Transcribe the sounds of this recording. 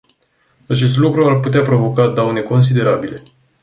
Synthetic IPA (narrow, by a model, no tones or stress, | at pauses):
at͡ʃe̞st̪lukɾuarput̪eapɾo̞vo̞kad̪awne̞ko̞ns̬id̪e̞ɾabile̞